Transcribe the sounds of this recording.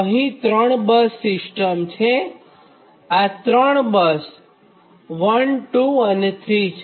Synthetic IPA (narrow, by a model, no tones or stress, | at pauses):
əɦĩt̪ɾəɳbəsːɪsʈəmt͡ʃʰe | at̪ɾəɳ̃bəs | ʋənʈuənet̪ʰɾit͡ʃʰe